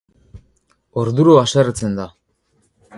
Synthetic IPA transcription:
oɾðuɾoasert͡se̞nd̪a

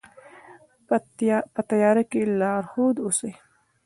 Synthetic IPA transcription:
pət̪ajɑːɾakelɑːɾhod̪osej

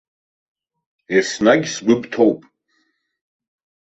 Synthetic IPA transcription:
esnaɡʲsɡʷʊbtʰowpʼ

